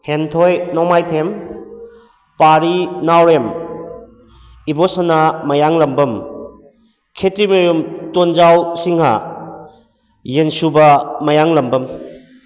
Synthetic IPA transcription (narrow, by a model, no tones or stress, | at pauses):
hentʰojnɔmajtʰem | paɾinawɾem | ibosɐnɐmɐjaŋlɐmbɐm | kʰetɾimijumtond͡ʒawsiŋhɐ̰ | jensubɐmɐjaŋlɐmbɐm